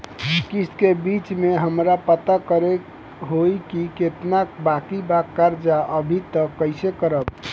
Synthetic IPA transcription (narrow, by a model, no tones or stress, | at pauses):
kiskebit͡ʃmeɦəmɾapət̪akəɾe | ɦoikiket̪nakbakibakːaɾd͡ʒaʔəbʱit̪əkːəɪsekəɾəb̚